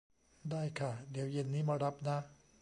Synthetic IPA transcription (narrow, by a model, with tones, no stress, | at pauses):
daː˥˩jkʰa˥˩di˩˦əwje˧nːiː˦˥maː˧ɾa˦˥p̚na˦˥